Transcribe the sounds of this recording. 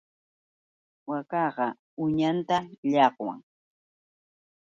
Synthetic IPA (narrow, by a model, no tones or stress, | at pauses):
wakɑɢɑ | ʊɲant̪aʎɑqwa̰ŋ